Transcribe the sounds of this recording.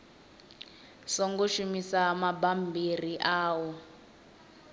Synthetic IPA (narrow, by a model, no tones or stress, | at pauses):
sɔŋɡoʃumisamabambiriʔaːwɔ